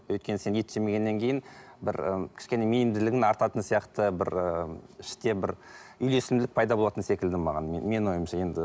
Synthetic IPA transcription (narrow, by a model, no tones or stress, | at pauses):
wɵjt̪kʲe̞nɪse̞net̪ʒeme̞ɡʲe̞nːe̞ŋkʲʰe̞jɪnbɪɾəkʲʰɪ̥ʃkʲe̞nemenɪmd̪ɪlɪɡʲɪnɑɾt̪ɑt̪ənsijɑqt̪əbɪɾəɪʃt̪e̞bɪɾʏjle̞sɪlmlɪk̚pʰɑjd̪ɑbo̞lˠɑt̪ənse̞kʲɪld̪ɪmɑʁɑ̰nmme̞nwo̞jəmʃɑje̞nd̪ɪ